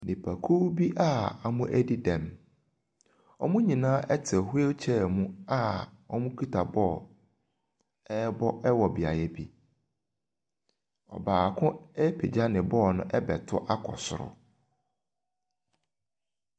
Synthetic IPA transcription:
nɪ̃˨pʰa˨kʰu˦bi˦ʔa˦a˨mʊ̃˦ʔæ˦di˦dɛ̃˨m | ɔ˦mʊ̃˦ɲĩ˨nãː˦ʔɛ˦tʰɪ˨ɛ˨hʊ˦e˦t͡ɕʰɛ˦˨mũ˦a˦ɔ˦mʊ̃˦kʰu˦tʰa˨bɔ˦˨ | ɛ˦bɔ˦ɛ˦wɔ˨bi˨a˨jɛ˦bi˦ | ɔ̰˨baː˨kʰʊ̃˦ɛ˦pʰe˨d͡ʑa˦nɪ̃˨bɔː˦˨nʊ̃˦ʔɛ˦bɛ˨tʰʊ˦ʔa˦kʰɔ̰˨sʊ˨ɾʊ̰˨

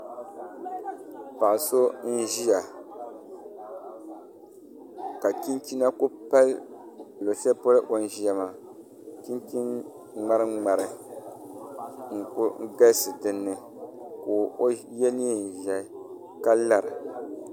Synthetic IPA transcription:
pa˨ʔʊ˨so˦n̩˦ʒi˦ja˨ | ka˨ki˦nt͡ʃi˦na˦ko˦pa˦l | lo˨sɛ˦po˦lɨ˦ʔo˨n˦˨ʒi˦ja˨maː˨ | ki˦nt͡ʃi˦n | ŋ͡ma˦ɾɨ˦ŋ͡ma˨ɾɨ˨ | ŋ̩˨kʊ˦ŋ̩˦ɡa˦sɨ˨dɨ˦nːɨ˦ | koː˨o˦jɛ˦ni˦˨n̩˨ʒɛ˨˦ | ka˦la˨ɾɨ˨

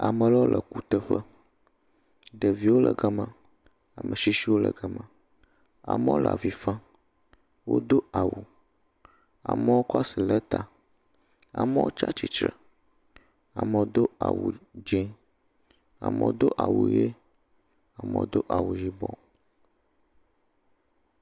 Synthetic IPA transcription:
a˨mə̃˨lɔ˦lʔə˨ku˨t̪ə˦ɸə˦ | ɖə˨vi˦wo˦lʔə˨ɡa˦mə̃˨ | a˨mʔə˨ʃi˦ʃi˦wo˦lə̰˨ɡə˦mə̃˨ | a̰˨mə˦o˦la̰˨vi˨fã˦ | wo̰˦d̪o˦a˨wu˨ | a̰˨mə˦wo˦kɔ˦a˦si˨lə˦t̪a˨ | a̰˨mɛ˦wʔo̰˦t͡ʃa˦t͡ɕi˦t͡ʃɾə˨ | a˨mə˨wo˦d̪o˦a̰˨wu˨d͡ʒe˦ | a̰˨mə̰̃˨o˦d̪o˦ʔa˨wṵ˨je˦ | a˨mə̰˨wo˦d̪o˦ʔa˨wu˨ji˦bɔ˦

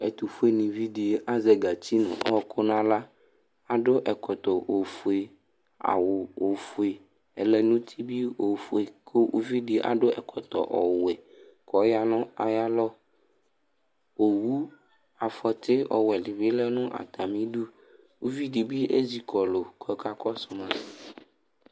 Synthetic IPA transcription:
ɛ˨t̪u˨fu˦e˦nĩ˨vi˦di˨˦ʔa˦zɛ˨ɡa˨t͡ɕi˦nʊ̰̃˨ɔ˦kʰʊ˦nã˦la˦ | a˨ɖo˦ʔɛ˨kɔ˨t̪ɔ˨ʔo˨fu˨e˨ | a̰˨wo˨o˨fu˨e˨ | ɛ˨lɛ˨nʊ̃˦t̪ʰi˦bi˦o˨fu˦e˨kʰo˦ʔṵ˦vi˦di˨˦ʔa̰˨ɖʊ˦ɛ̰˨kʰɔ˨t̪ɔ̰˨ʔɔ˨wɛ˨ | kɔ˨˦ja˦nʊ̃˦a̰˨ja˦lɔ˦ | o˨wu˦ | a˨fɔ˨t̪ɪ˦ɔ̰˨wɛ˨li˨bi˦lɛ˦nʊ̃˦ʔa̰˨t̪a˨mĩ˦ɖu˦ | u˦vi˦ɖi˨bi˦ḛ˦zi˦kʰɔ˨lo˨kʰɔ˨ka˦kɔ˦sʊ˨mã˦˨

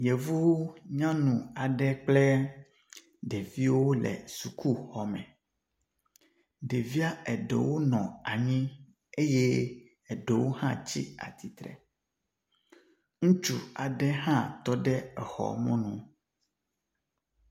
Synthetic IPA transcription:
je˨vu˦wɲã˦nũ˨a˨ɖɛ˦k͡plɛ˦ | ɖe˨vi˦wo˦lɛ̰˨su˨ku˦xɔ˨mɛ̃˨ | ɖe˨vi˦a˦ɛ˨ɖḛ˨wo˦nɔ̃˨a˨ɲĩ˦ | e˦je˦ | ɛ˨ɖe˨wo˦hã̰˦t͡ɕḭ˦a̰˨t̪i˨t̪ɾɛ̰˨ | ŋũ˦t͡ʃu˨a˨ɖɛ˦ɦã˦t̪ɔ˦ɖɛ˦ɛ˨xɔ̰˨mɔ̃˦nũ˨

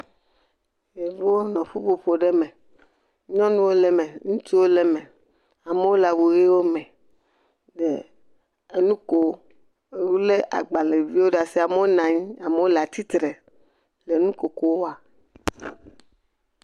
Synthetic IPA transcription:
e˨vo˦wo˦nɔ̃˨ɸu˦ɸo˨ɸo˨ɖe˦mẽ˨ | ɲɔ̃˦nũ˦wo˦le˨mẽ˨ŋũ˦t̪i˦wo˦le˨mẽ˨ | a˨me˨˦wo˦la˨wu˨ɣe˦wo˦mɛ̃˨ | ɖe˨ | e˨nũ˦ko˦ | e˨wu˦le˦ʔa̰˨ɡ͡ba˨le˨vi˦wo˦ɖa˨si˦a˨me˦wo˦nã˨ɲĩ˦a˨me˨wo˦la˨t̪i˦t̪ɾe˨ | le˨nũ˦ko˨ko˦wo˦a˨

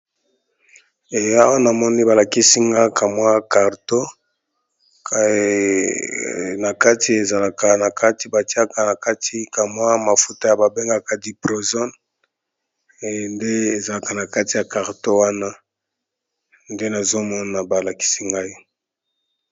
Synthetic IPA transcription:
e˨ja˦wo˦na˨mɔ˦ni˦ba˨la˨ki˦si˦ŋɡa˦kʰa˨mwa˦ka˨ʁto˦ | na˨ka˦ti˨e˨za˨la˨ka˨na˨ka˦ti˦ba˨ti˦a˦ka˨na˨ka˦ti˦ka˨mwa˦ma˨fu˦ta˦ja˨ba˨be˦ŋɡa˦ka˨di˨pʁo˨zɔ˦n˨ | nde˦e˨za˨la˨ka˨na˨ka˦ti˨ja˨ka˨ʁto˦wa˦na˦ | nde˦na˨zo˦mɔ˦na˨ba˨la˨ki̥˦si˦ŋɡa˦i˦

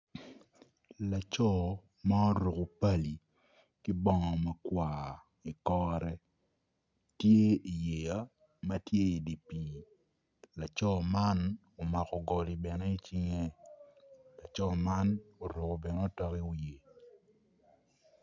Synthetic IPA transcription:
la˨t͡ʃɔ˦˨ | ma˦o˦ɾu˨ko˨pa˦li˨ | kɪ˦bɔ˨ŋɔ˨ma˦kwaː˨ | i˨kɔː˦ɾɛ˦ | tje˦i˨je˨ja˦ | ma˦tje˦i˨di˨pi˦ | la˨t͡ʃɔ˦ma˦n | o˨ma˨kɔ˨ɡɔ˨li˨bɛ˨nɛ˦i˦t͡ʃi˦ŋe˦ | la˨t͡ʃɔ˦ma˦no˨ɾu˨ko˨bɛ˨n˦o˦tɔ˦ki˦wi˨e˨

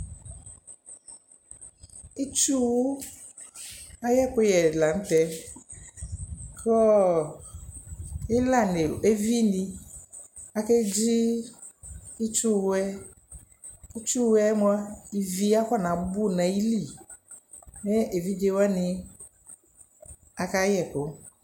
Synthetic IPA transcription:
i˦t͡ʃu˦wu˦ | a˦jɛ˦k͡po˦jɛ˨la˨ŋ̩˦t̪ɛ˦ | kɔ˦ | e˦la˦˨ne˨e˦vi˦nĩ˦ | a˨ke˦d͡ʒi˦ | i˦t͡ʃu˦wɛ˦ | u˦t͡ʃu˦wɛ˦mõ˦a˦i˨vi˦a˦kɔ˦˨nã˨bu˦˨nã˨ji˦li˦˨ | ne˦e˨vi˦d͡ʒe˦wa˦nĩ˧ | a˨ka˦jɛ˦˨ko˦

